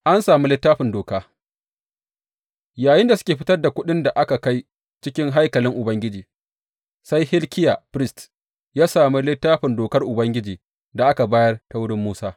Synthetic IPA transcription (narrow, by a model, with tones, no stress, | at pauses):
ʔa˦nsaː˨mi˦lɪ˦tːaː˦ɸɪ˨ndoː˨kaː˦ | jaː˨jɪ˦nda˨sʊ˦kʲeː˨ɸɪ˦tɐ˦rda˨kʷʊ˦ɗɪ˦nda˨ʔa˦ka˨ka˦j | t͡ʃɪ˦kʲɪ˦ŋɦa˦jkɐ˨lɪ˦ŋʔʊ˨bɐ˦ŋɡʲɪ˦d͡ʒiː˨ | sa˦jhɪ˦lkʲɪ˦ja˨pɪ˦st | jaː˦saː˨mi˦lɪ˦tːaː˦ɸɪ˨ndoː˨kɐ˦rʔʊ˨bɐ˦ŋɡʲɪ˦d͡ʒiː˨ | da˨ʔa˦ka˨baː˦jɐ˦rta˦wʊ˦ɽɪ˦mːuː˦saː˦